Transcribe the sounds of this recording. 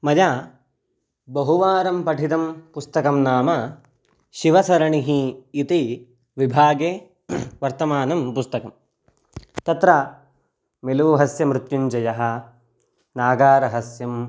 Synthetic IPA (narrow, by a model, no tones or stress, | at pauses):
mɐja | bɐɦuʋaːɾɐmpɐʈʰit̪ɐmpust̪ɐkɐmnaːmɐ | ʃiʋɐsɐɾɐɳiɦiːt̪i | ʋibʱaːɡeː | ʋɐɾt̪ɐmaːnɐmpust̪ɐkɐm | t̪ɐt̪ɾa | meluʋuɦɐsjɐmɾut̪juɲd͡ʒɐjɐɦɐ̆ | naːɡaːɾɐɦɐsjɐm